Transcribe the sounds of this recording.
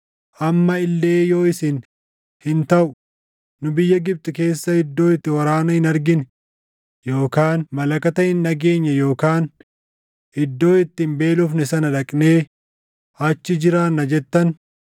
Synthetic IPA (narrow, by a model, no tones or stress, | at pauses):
ʔɐmːɐɪlːeːjo̞ːɪsɪn | hɪnt̪ɐʔʊ | nʊbɪjːɐɡɪb̚t̪ʼʊke̞ːsːɐhɪd̪ːo̞ːɪt̪ːɪwɐɾaːnɐhɪnɐɾɡɪn | jo̞ːkaːnmɐlɐkɐt̪ɐʔɪnːɐɡe̞ːɲːɐjo̞ːkaːn | ɪd̪ːo̞ːɪt̪ːɪmbe̞ːlʊfnɛsɐnɐᶑɐkʼne̞ː | ɐt͡ʃːɪd͡ʒɪɾaːnːɐd͡ʒɛt̪ːɐn